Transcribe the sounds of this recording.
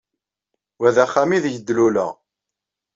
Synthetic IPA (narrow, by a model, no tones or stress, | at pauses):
wæðæχːæmiðʝəd̪ːlulə̰ʁ